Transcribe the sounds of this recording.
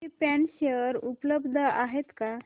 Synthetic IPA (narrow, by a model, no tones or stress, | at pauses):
ipɛnɕəɾupləbd̪ʱəaɦet̪ka